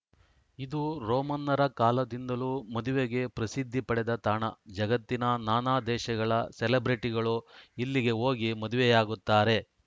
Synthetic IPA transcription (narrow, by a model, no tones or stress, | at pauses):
id̪uɾɔːmɐnːɐɾɐkaːlɐd̪ind̪ɐluːmɐd̪uʋeɡe̞pɾɐsid̪ʱːipɐɽɛd̪ɐt̪aːɳɐd͡ʒɐɡɐt̪ːinɐnaːnaːd̪ɛːʃɐɡɐɭɐsɛlebɾiʈiɡɐɭuilːiɡe̞ɦoːɡimɐd̪uʋejaːɡut̪ːaːɾe̞